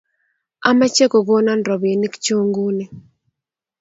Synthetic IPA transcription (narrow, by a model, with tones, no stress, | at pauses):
a˦ma˦t͡ʃe˦ko˨ɡo˦na˦nɾɔ˨be˨ni˦kt͡ʃo˦ŋɡu˦nɪ˨